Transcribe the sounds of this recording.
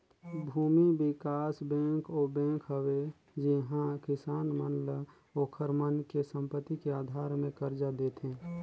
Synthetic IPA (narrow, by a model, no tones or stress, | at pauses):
bʱuːmibɪkaːsbɛ̃kobɛ̃ːkɦəwe | d͡ʒiɦãkɪsaːnmənlə | okʰəɾmənkesə̃mpət̪ːikeaːd̪ʱaːɾmẽkəɾd͡ʒad̪et̪ɦẽː